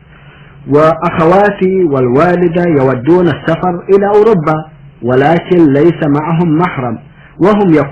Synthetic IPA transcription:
waʔaxawaːt̪iwalwaːlɪd̪ajawad̪ːuːnasːafɑɾˤʔɪlaːʔʊɾubːa | walaːkɪnlajsamaʕaɦʊmːaħɾˤɑm | waɦʊmja

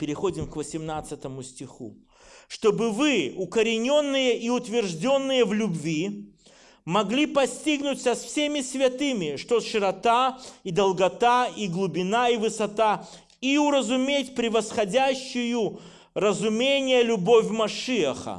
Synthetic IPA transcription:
pʲɪɾʲɪxo̞dʲɪmkvəsʲɪmnat̪sɨt̪əmʊsʲtʲɪxṵ | ʂt̪o̞bɨvɨʊkəɾʲɪnʲo̞nːɨjəʔiʊt̪vʲɪrʐdʲo̞nːɨjəvlʲʊbvʲi | mɐɡlʲipɐsʲtʲiɡnʊtʲsɐsfsʲemʲɪsʲvʲɐt̪ɨmʲɪʂt̪oʂɨɾɐt̪aid̪əlˠɡɐt̪aiɡlˠʊbʲɪnaivɨsɐt̪a | iʊɾəzʊmʲetʲpɾʲɪvəsxɐdʲæɕːɪjʊ | rəzʊmʲenʲɪjəlʲʊbo̞fʲmɐʂɨəxə̰

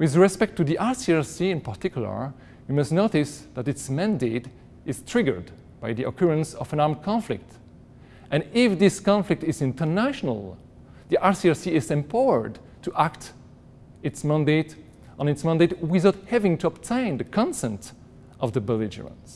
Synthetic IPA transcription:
wɪðɹɛspɛk̚tːuðiʔɑɹsiɛɹsiɪ̃npaɹtɪkjlə̰˞ | wimʌstnoʊtɪsðætɪtsmæ̃ndeɪt | ɪz̥tʰɹ̥ɪɡə̰˞d | b̥ajðiʔɔ̰kʰɔɹə̃nsɔvə̃nɑɹmkʰɑ̃nflɪ̰k̚t | ʔɨ̃nɪfðɪskɑ̃nflɪk̚tɪzɪ̃ntʰə˞næʃɔnə̰lˠ | ðiʔaɹsiɛɹsiɪzɛ̃mpʰawə̰˞d | tʰuʔakt | ɪtsmæ̃ndet | ə̃nɨtsmæ̃ndeɪtwɪðaʊt̚hævɪ̃ŋtuəptʰẽɪ̃nðəkʰɑ̃nsɛ̃nt | ʔʌvðəbəlɪd͡ʒə̰ɹə̰̃ns

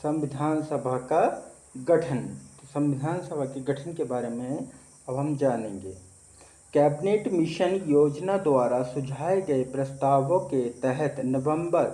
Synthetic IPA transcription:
sɐ̃mʋɪd̪ʱaːnsəbʱaka | ɡɐʈʰənosɐ̃mʋɪd̪ʱaːnsəbʱakeɡɐʈʰənkebaːɾemẽ | ɐbɦɐmd͡ʒaːnẽːŋɡeː | kɛːbɪneːʈmɪʃənjoːd͡ʒnad̪waːɾasʊd͡ʒʱaːeɡɐepɾɐst̪aːʋõket̪ɛɦɛt̪nɐʋə̃mbəɾ

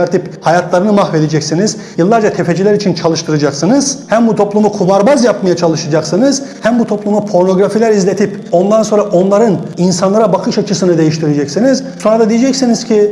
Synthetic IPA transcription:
ɾt̪ʰiphajat̪ʰlˠaɾɯnɯmaxve̞d̪ed͡ʒɛcsiniz̥ | jɯlˠːaɾd͡ʒat̪ʰefe̞d͡ʒilʲæɾit͡ʃʰint͡ʃʰalˠɯʃt̪ʰɯɾad͡ʒaksɯnɯz̥hæmbut̪ʰo̞plˠumukʰumaɾbazjapmajat͡ʃʰalˠɯʃad͡ʒaksɯnɯz̥hæmbut̪ʰo̞plˠumupʰo̞ɾno̞ɡɾafilʲæɾizlʲe̞t̪ʰipo̞nd̪anso̞nɾaʔo̞nlˠaɾɯninsanlˠaɾabakʰɯʃat͡ʃʰɯsɯnɯd̪e̞jiʃt̪ʰiɾed͡ʒɛcsiniz̥so̞nɾad̪ad̪ijed͡ʒɛcsiniz̥cʰi

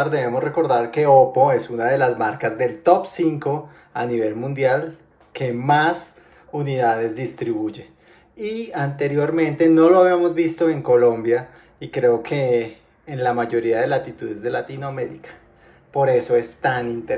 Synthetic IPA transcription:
aɾd̪e̞βe̞mosre̞ko̞ɾðaɾke̞opo̞e̞sunaðe̞lazmaɾkazd̪e̞lt̪o̞psiŋko̞ | aniβe̞lmũnd̪jal | ke̞mas | uniðaðe̞zd̪ist̪ɾiβuʝe̞ | iant̪e̞ɾjo̞ɾmẽ̞nt̪e̞no̞loaβiamo̞zbist̪o̞e̞ŋko̞lo̞mbja | ikɾe̞okʰeː | nlamaʝo̞ɾiaðe̞lat̪it̪uðe̞zd̪e̞lat̪inoame̞ɾḭkḁ | po̞ɾe̞so̞e̞st̪anint̪e

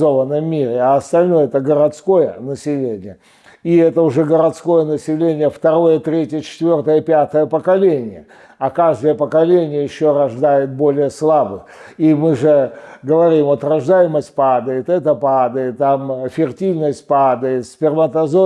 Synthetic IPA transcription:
ovənːəmːʲiɾʲɪaɐst̪ɐlʲnojəɛt̪əɡəɾɐt̪sko̞jənəsʲɪlʲenʲɪjə | iɛt̪əʊʐɛɡəɾɐt̪sko̞jənəsʲɪlʲenʲɪjəft̪ɐɾo̞jət̪ɾʲetʲɪjət͡ɕɪ̥t̪vʲo̞rt̪əjəpʲat̪əjəpəkɐlʲenʲɪjə | ɐkaʐd̪əjəpəkɐlʲenʲɪjəjɪɕːoɾɐʐd̪ajɪt̪̚bo̞lʲɪjəslˠabɨ | imɨʐɛɡəvɐɾʲimot̪rɐʐd̪ajɪməsʲt̚ʲpad̪əjɪt̪ɛt̪əpad̪əjɪt̪ːamfʲɪrtʲivʲnəsʲt̚ʲpad̪əjɪt̪sʲpʲɪrmət̪ɐzo

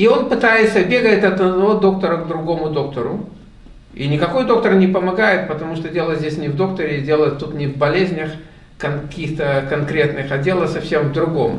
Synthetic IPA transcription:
io̞npɨt̪ajɪt̪səbʲe̞ɡəɪt̪ʲɐt̪əd̪nɐvo̞d̪o̞k̚t̪əɾəɡd̪ɾʊɡo̞mʊd̪o̞k̚t̪əɾʊ | ḭnʲɪkɐko̞jd̪o̞k̚t̪ərnʲɪpəmɐɡajɪt̪̚pət̪ɐmuʂt̪odʲelˠətʲzʲdʲesʲnʲɪvd̪o̞kt̪əɾʲɪɪdʲe̞lˠət̪ut̪nʲɪvbɐlʲezʲnʲəx | kɐnkɐkʲixt̪əkɐnkɾʲe̞t̪nɨxɐdʲe̞lˠəsɐfsʲe̞mvd̪ɾʊɡo̞m

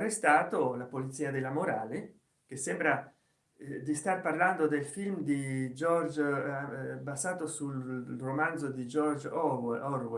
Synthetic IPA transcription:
rest̪aːt̪olapolit̪siːad̪elamoɾaːle | k̟esːɛmbɾa | d̪ist̪arparland̪od̪elfilmd̪id͡ʒɔrd͡ʒ | bazaːt̪osuromand̪zod̪id͡ʒɔrd͡ʒɔrwe

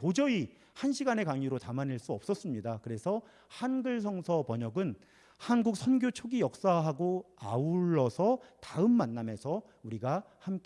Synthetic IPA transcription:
tod͡ʑʌi | hanɕʰiɡane̞kaŋiɾotamaniɭs͈uʌp̚s͈ʌs͈ɯmɲidakɯɾe̞sʰʌ | hanɡɯɭs̬ʰʌŋsʰʌpʌɲʌɡɯn | hanɡuk̚sʰʌnɡjot͡ɕʰoɡijʌk̚s͈aɦaɡoauɭːʌsʰʌtaɯmːanːame̞sʰʌ | uɾiɡahamke

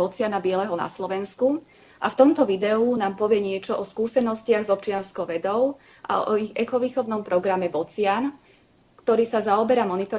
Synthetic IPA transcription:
ɔt͡sɪanabɪɛlɛɦɔna̰slɔʋɛnsku | ʔaft̪ɔmt̪ɔʋid̪ɛunaːmpɔʋɪɛɲɪɛt͡ʃɔʔɔskuːsɛnɔscɪaɣzɔp̚t͡ʃɪanskɔʊʋɛd̪ɔʊ | ʔa̰ɔ̰ɔiɣɛkɔʋiːxɔʊnɔmpɾɔɡɾamɛbɔt͡sɪan | kt̪ɔɾiːsazaɔbɛɾamɔnit̪ɔ

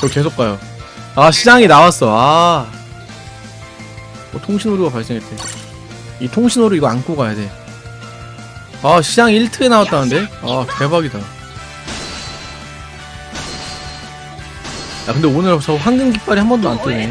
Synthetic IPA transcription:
t͡ɕʌke̞sʰokʰajo | aɕʰid͡ʑaŋinawas͈ʌa | mʌtʰoŋɕʰinoɾuɡapaɭs͈eŋɦetʰe | itʰoŋɕʰinoɾuiɡʌank͈oɡajade̞ | aɕʰid͡ʑaŋiiɭtʰɯɡenawat͈anɯnde̞ake̞baɡida | akɯnde̞onɯɾt͡ɕʌɸwanɡɯŋɡip͈aɾihambʌndoant͈ʰone

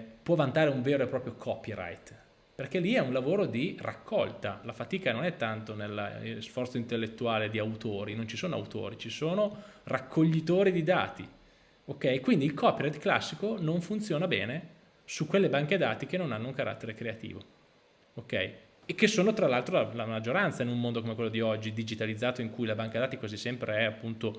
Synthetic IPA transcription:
pwɔvant̪aːɾeuɱveːɾoepɾɔːpɾjokʰɔpiɾa̰jt̪ | perk̟elːiɛunlavoːɾod̪ira̰kʰːɔ̰lt̪alafat̪iːkanonɛt̪ːant̪onel̰ːsfɔrt̪soint̪elːet̪ːuaːled̪iawt̪oːɾinont͡ʃisoːnoa̰wt̪o̰ːɾit͡ʃisoːnorakʰːoʎːit̪oːɾid̪id̪a̰ːt̪i | okːɛjkwind̪iːlkʰɔːpiɾat̪kla̰sːikonoɱfunt̪sjoːnabɛ̰ːne | sukːwelːebaŋked̪a̰ːt̪ik̟enːonanːoukaɾʔa̰t̪ːeɾekɾeat̪ḭːvo | okːɛ̰j | ek̟esːoːnot̪ɾalːalt̪ɾolalamad͡ʒːoɾant̪sainummond̪okomekwelːod̪iɔd͡ʒːid̪id͡ʒit̪alid̪zːaːt̪oiŋkujlabaŋkad̪aːt̪ikwazisːɛmpɾeɛapːunt̪o

